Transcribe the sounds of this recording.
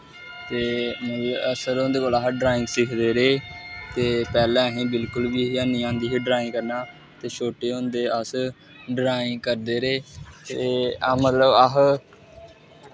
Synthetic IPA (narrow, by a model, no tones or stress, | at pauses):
t̪eːmət̪ləəsəɾond̪eːkoːlaːɦɖɾaːɪ̃ŋsikʰd̪eːɾeːt̪eːpɛːlɛ̃ːəɦẽːbɪlkʊlbiːɦiənĩːãːnd̪iːɦiːɖɾaːɪ̃ːkəɾnaː | t̪eːʃoːʈeːʊ̃nd̪eːəs | ɖɾaːɪ̃ːkəɾd̪eːɾeːt̪eːmət̪ləbaɦ